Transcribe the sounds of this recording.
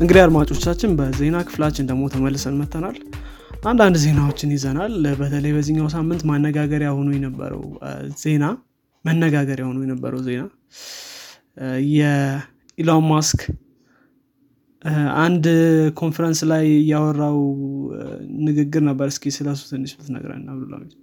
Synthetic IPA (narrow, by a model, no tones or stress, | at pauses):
ʔɨŋɡɨd̪ijad̪mat͡ʃʼo̞t͡ʃːat͡ʃːɪnbəze̞nakʰɨ̥flat͡ʃːɪnd̪əɡmo̞t̪ʰəməlːɨsənmət̪ːənal | ʔand̪and̪ze̞nawo̞t͡ʃːɪnjɪzənalbət̪ʰələjbəzɨɲːaws̬amːɨnt̪manːəɡaɡəɾjahonujɛnəbːə̰ɾə̰wz̥e̞na | mənːəɡaɡəɾjahonujɛnəbːə̰ɾəwze̞na | jɛ | ilamːask | ʔand̪kʰo̞nfɛɾənslajɨjawɔrːaw | nɨɡɨɡːɨɾnəbːəɾɨskʰesɨləs̬u̥t̪ɨnːit͡ʃlut̪nə̰ɡɾa̰nnːaβlola̰wmi